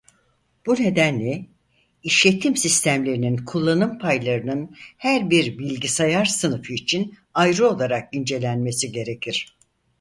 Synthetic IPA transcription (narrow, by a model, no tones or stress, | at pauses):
b̥une̞d̪ænlʲɛ | iʃlʲe̞t̪ʰimsist̪ʰæmlʲe̞ɾininkʰulˠːanɯmpʰajlˠaɾɯnɯnhæɾbiɾbilʲɟisajaɾsɯnɯfɯit͡ʃʰin | ajɾɯo̞lˠaɾak̚ind͡ʒe̞lʲænme̞siɟe̞ɾe̞cʰiɾ̥